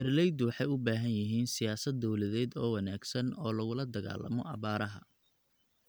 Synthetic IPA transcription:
ɛrlɛjd̪wɑħɑjʊbaːɦɐnjɪɦiːnsɪjaːsɐd̪ːɔwlɐðɛːd̪ɔːwɑnaːɡsɐnɔːlɐɣʊlɐd̪ɐɣa̰ːlːɐ̰mɔ̰ʔɑβaːɾɐɦɐ̰

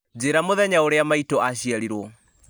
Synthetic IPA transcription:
d͡ʑeɾamoðɛɲaoɾeamaitɔʔaɕiaɾiɾwɔ

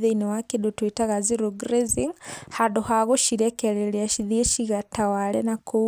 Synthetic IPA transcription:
ðeinɛwakedotwetaɣaziɾoɡɾeziŋhadohaɣoʃiɾɛkɛɾɛɾeaʃiðieʃiɣatawaɾɛnakʰo

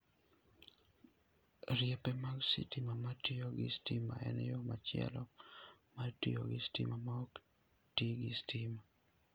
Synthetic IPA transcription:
ɾjepemaɡsḭtimamatioɡɪstima̰ɛ̰njomat͡ʃɪɛ̰lɔmatḭo̰ɡɪstḭmamaok | tiɡɪstʰima

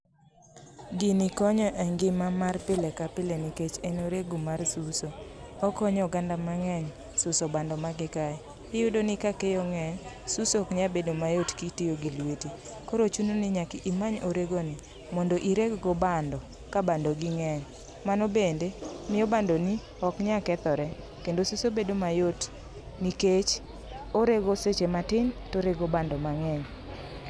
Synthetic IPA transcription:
ɡinɪkɔɲɔʔɛŋɡɪmamarpɪlɛkapɪleniket͡ʃenoɾeɡomarsusoɔkɔɲɔɡandamaŋɛɲ | sʊsɔbandɔmaɡɪka | ɪjʊdonɪkakejoŋɛɲ | susokɲabedomajotkitijoɡilweti | koɾot͡ʃunonɪɲakɪʔimaɲoɾeɡoni | mɔndoʔiɾekɡɔbandɔ | kabandoɡɪŋɛɲ | manɔbendemɪjɔbandoni | ɔkɲakɛt̪ɔɾɛ | kendosusobedomajot | niket͡ʃ | oɾeɡoset͡ʃematɪntoɾeɡobandɔmaŋɛɲ

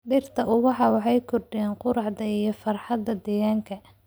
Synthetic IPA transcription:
ɖɪrt̪ʰɐʔʊwɑħɑwɑħɑjkʰɔrɖɪjɛːnqʊɾɑʕd̪ɐijɞfɐrħɑd̪ːɐd̪ɛːɣaːŋkʰɐ

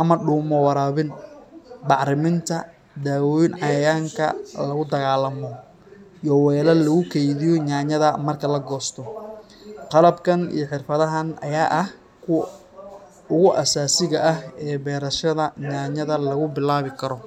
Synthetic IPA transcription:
ʔɐmɐɖuːmɔwɑɾaːβɪn | bɑʕɾɪmɪnt̪ʰɐ | d̪aːwɔːjɪnʕɑjɐjaːŋkʰɐ̰lɐɣʊd̪ɐɣaːlɐmɔ | jɔwɛlɐlɐɣʊkʰɛjðɪjɔɲaːɲɐðɐmɐrkʰɐlɐɡɔːst̪ʰɔ | qɑlɐbkʰɐnḭjɞħɪrfɐðɐɦɐnʔɐ̰jaːʔɐh | kʰʊw | ʊɣʊʔɐsaːsɪɣɐʔɐɦɛːbɛːɾɐʃɐðɐɲaːɲɐðɐlɐɣʊbɪlaːβɪkʰɐɾɔ

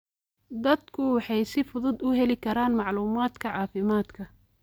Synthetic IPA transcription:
d̪ɐd̪kʰʊwɑħɑjsɪfʊðʊd̪ʊɦɛlɪkʰɐɾaːnmɑʕluːmaːd̪kʰɐʕɑːfɪmaːd̪kʰɐ

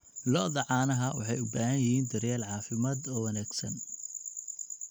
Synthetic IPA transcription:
lɔðɐʕɑːnɐɦɐwɑ̰ħɑjʊbaːhɐnjɪhiːnd̪ɐɾjaːlʕɑːfɪmaːd̪ɔːwɐnæːɡsɐ̰n

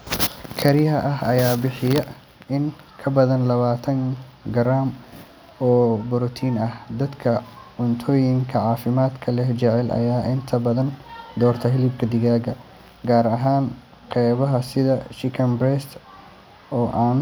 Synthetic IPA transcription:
kʰɐɾɪɦɐʔɐɦɐjaːbɪħɪjɐ | ɪŋ | kʰɐbɐðɐnlɐβaːt̪ʰɐŋ | ɡɐɾaːm | ɔːbʊɾɔt̪ʰiːnɐhd̪ɐd̪kʰɐʕʊnt̪ʰɔːjɪŋkʰɐʕɑːfɪmaːd̪kʰɐlɛht͡ʃɛʕɛlʔɐ̰jaːʔɪnt̪ʰɐbɐðɐnd̪ɔːrt̪ʰɐɦɪlib̚kʰɐd̪ɪɣaːɡɐ | ɡaːɾɐɦaːn | qɛːβɐɦɐsɪðɐʃɪkʰɐmbɾɛst̪ | ɔːʔaːn

